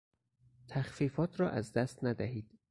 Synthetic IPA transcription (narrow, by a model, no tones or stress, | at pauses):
t̪ʰæxfiːfɒːt̪ʰɾɒːʔæzd̪æst̪næd̪æhiːd̪̥